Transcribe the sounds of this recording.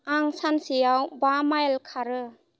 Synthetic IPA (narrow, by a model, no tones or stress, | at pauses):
aŋsansijawbamajlkʰaɾɯ